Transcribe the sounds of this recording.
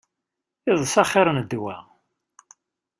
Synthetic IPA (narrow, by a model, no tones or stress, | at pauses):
ɪðˤsɑχɪɾˤənd̪wæ̰